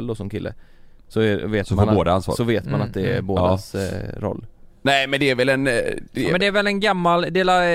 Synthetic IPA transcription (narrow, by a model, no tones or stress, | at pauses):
ld̪ɔsɔmkʰɪlːʔə̰ | sɔɛveːt̪maboːd̪aansfɔ̰sɔveːt̪manat̪̚d̪ɛːɾboːd̪asɾɔ̰lːnɛmɛnd̪ɛæɾvɛlɛnd̪ɛmɛnd̪ɛæɾvɛlɛnɡamːald̪eːla